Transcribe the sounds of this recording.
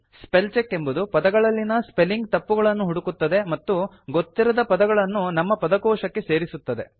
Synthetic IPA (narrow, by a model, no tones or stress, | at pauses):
spelt͡ʃekːe̞mbud̪upɐd̪ɐɡɐɭɐlːinɐspe̞lːiŋɡt̪ɐpːuɡɐɭɐnːuɦuɽukut̪ːɐd̪emɐt̪ːu | ɡot̪ːiɾɐd̪ɐpɐd̪ɐɡɐɭɐnːunɐmːɐpɐd̪ɐkɔːʃɐkːe̞se̞ːɾisut̪ːɐd̪e̞̰